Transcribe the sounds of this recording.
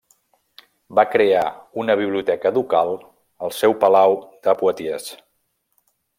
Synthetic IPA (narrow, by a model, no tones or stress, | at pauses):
bakɾeaunəβ̞iβ̞liut̪ɛkəd̪ukalˠ | əlˠsɛwpəlawd̪əpuət̪iəs